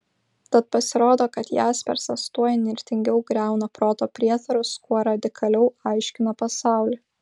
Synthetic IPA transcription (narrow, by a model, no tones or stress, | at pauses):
t̪ɐt̪̚pɐsʲɪɾoːd̪oːkɐt̪jæːspʲɛ̰ɾsɐst̪uɔjɛnʲɪɾʲt̪ʲɪŋʲɡʲɛʊɡɾʲæˑʊnɐpɾoːt̪oːpʲɾʲiɛt̪ɐɾʊskuɔɾɐd̪ʲɪkʰɐlʲɛʊɐɪʃʲkʲɪnɐpɐsɑˑʊlʲi